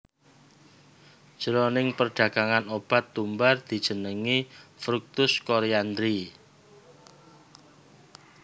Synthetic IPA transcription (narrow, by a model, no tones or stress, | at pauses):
d̥ʒ̥əɾonɪŋpərɖ̥ä̤ɡ̥aŋanob̥a̤t̪ːumbard̪̥i̤d̥ʒ̥ə̤nəŋifɾuk̚t̪ʊskoɾeand̪ɾi